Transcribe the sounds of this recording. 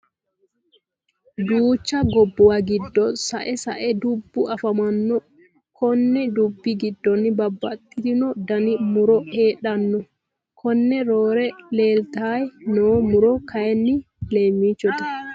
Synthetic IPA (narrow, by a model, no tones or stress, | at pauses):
d̪uːt͡ʃːɐɡɔbːɔwaɡɪdːɔsaʔɛsɐʔɛd̪ubːʊʔɐfɐmɐnːɔ | kʰɔnːɛd̪ubːiɡɪdːɔnːɪbɐbːɐt̪ʼːɪt̪ɪnɔd̪ɐnimuɾɔeːɗɐnːɔ | kʰɔnːɛɾoːɾɛleːlt̪aːjnoːmʊɾɔkʰɐjɛnːɪ | leːmit͡ʃːɔt̪ɐ̥